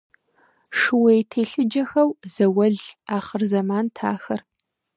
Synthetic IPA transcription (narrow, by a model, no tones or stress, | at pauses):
ʂɨwɐjtʰeːɬɨd͡ʒɐxɐwzɐwɐɮaːχərzɐmaːntʰa̰ːxɐr